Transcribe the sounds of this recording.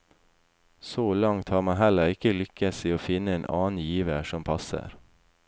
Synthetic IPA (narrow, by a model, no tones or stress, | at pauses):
soːlɑŋt̪hɑːɾmɑɦɛləɾɪkəlʏkəsiːoːfɪnəeːnʔɑ̰ːn̩jiːʋəʃɔmpʰɑsə̰ɾ